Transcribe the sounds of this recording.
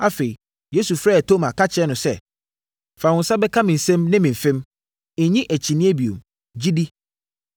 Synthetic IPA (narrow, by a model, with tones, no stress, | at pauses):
a˨fe˨i˨ | je˦su˨fɾaː˦˨æ˨tʰo˦mã˨kʰa˦t͡ɕʰɪ˨ɛ˦nʊ̃˨sɛ˦ | fa˨wʊ̃˨n̩˦sa˦bɛ˦kʰa˦mɪ̃˨n̩˨sɛ̃˦mnɪ̃˦mɪ̃˨ɱ̩˨fɪ̃˦m̩˨˦ | ɲĩ˦ʔæ˨t͡ɕʰi˨nĩ˦e˦bi˨o̰˨m | d͡ʑi˦di˦